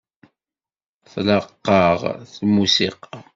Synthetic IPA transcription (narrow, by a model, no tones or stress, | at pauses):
θləqːɑʁθmusiqɑ